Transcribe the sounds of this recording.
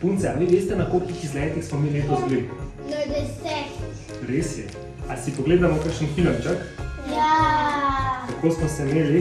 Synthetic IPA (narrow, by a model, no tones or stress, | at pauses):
punt̪sɛaʋiʋeːst̪ɛnakolkixizlɛːt̪ixsmɔmineːk̪ɔzɡled̪ | nd̪ɛsɛ | ɾesjɛ̰ | asipɔɡleːd̪amɔkakʃənxilɐnt͡ʃakja | kɐkoːsmɔsɛmeːli